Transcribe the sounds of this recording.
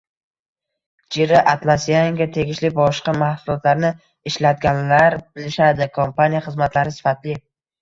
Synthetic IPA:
d͡ʒeɾɪʔat̪lˠasijaŋɡʲat̪ʰeɡʲɪʃlɪbɒʃqɑmahsʊlˠɒt̪ʰlaɾnɪ | ɪʃlat̪̚ɡʲanlaɾbɪlɪʃad̪ɪkʰompanijaχɨzmat̪ʰlaɾɪsɪ̥fat̪lɪ

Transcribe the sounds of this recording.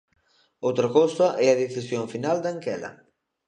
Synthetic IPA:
owt̪ɾɐkowsɐʔɛɐðeθisjoɱfinald̪aŋkɛlɐ̰

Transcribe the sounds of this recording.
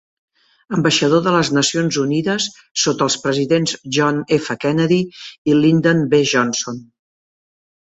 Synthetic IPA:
əmbəʃəð̞oðələznəsionzuniðəsː | ot̪əːlˠspɾəziðenzʒɔnefəkɛnəðiilind̪onbeʒɔnson

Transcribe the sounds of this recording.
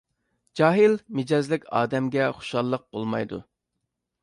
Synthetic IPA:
d͡ʒɑːɦɪlmɪd͡ʒɑzlɪkʲʰɑ̰ːd̪ɛmɡʲɛχʊ̥ʃɑlˠːəq̚b̥olˠmɑ̰jd̪ṵ

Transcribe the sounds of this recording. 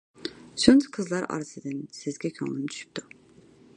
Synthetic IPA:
sont̪ʰqʰɨzlˠɑɾɑ̰ɾɨsɨd̪ɪnsɪzɡʲɛkʲʰɑ̰lˠɨmt̪ʰy̥ʃy̥p̚t̪u

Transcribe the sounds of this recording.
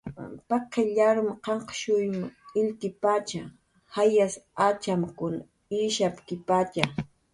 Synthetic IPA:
pɑqeʎaɾʊmqɑɴqʃʊjmʊɪlt̪ɪpat͡ʃa | hajasat͡ʃamkʊna | iʃapkɪpat͡ʃa

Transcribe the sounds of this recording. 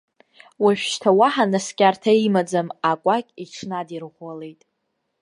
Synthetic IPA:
waʃᶣʃtʰawaħanaskʲʼartʰaimad͡zamakʷʼakʲʼiʈ͡ʂʰnadirʁʷale̞jtʼ

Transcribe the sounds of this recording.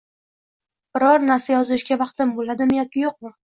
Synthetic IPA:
b̥ɪɾɒɾnaɾsajɒzʊʃɡʲavɑqt̪ʰɪmbolad̪ɪmjɒkʲɪjoq̚mɪ

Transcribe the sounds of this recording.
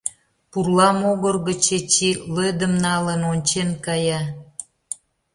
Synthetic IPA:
purlɑmoɣərɣət͡ɕet͡ɕilød̪əmnɑlənonʲt͡ɕenkɑjɑ

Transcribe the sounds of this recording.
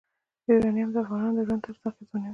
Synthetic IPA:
iɾɑnijamd̪əafɣɑnɑnod̪əʒwand̪t̪aɾt̪ɑqit̪una

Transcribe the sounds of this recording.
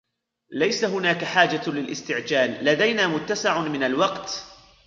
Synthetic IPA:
lajsaɦʊnaːkaħaːd͡ʒalɪlʔɪ̰st̪ɪʕd͡ʒaːlːad̪ajnaːmʊt̪ːasɪʕmɪnalwɑqt̪

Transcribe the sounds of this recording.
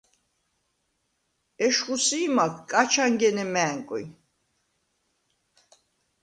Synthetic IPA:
ɛʃχusiːmakʰkʼːat͡ʃʰaŋɡɛnɛmɛːŋkʼḭ

